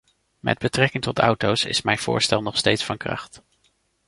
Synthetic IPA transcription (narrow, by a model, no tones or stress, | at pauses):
mʔɛ̰d̚bətrɛkɪŋtɔtʌwtowsɪ̰smɛjnv̥ʊ̰ːɹstɛlˠnɔχstejtsfɑnkrɑ̰χt